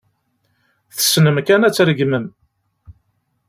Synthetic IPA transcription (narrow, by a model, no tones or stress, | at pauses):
θə̥snəmkænæt͡sːɾəɡməm